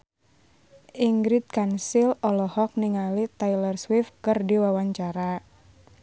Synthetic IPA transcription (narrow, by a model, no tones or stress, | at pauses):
ʔiŋɡɾit̪̚kansilɔlɔhɔk̚niŋalit̪ailərswifkɨrdiwawaɲt͡ʃaɾa